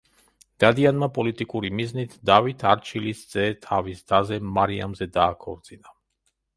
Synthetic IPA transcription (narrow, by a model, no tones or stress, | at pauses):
d̪̥ad̪ianmapʼɔlit̪ʼikʼuɾimiznit̪ʰd̪avit̪ʰaɾt͡ʃʰilisd̪z̥ɛt̪ʰavisd̪azɛmaɾia̰mzɛd̪aːkʰɔɾd̪z̥ina